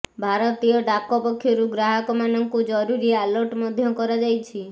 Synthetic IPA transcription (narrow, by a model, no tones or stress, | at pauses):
bʱaɾɔt̪iɔɖakɔpɔkʰːjoɾuɡɾaɦɔkɔmanɔŋkud͡ʒɔɾuɾialɔɾʈmɔd̪ʱjɔkɔɾad͡ʒajt͡ʃʰi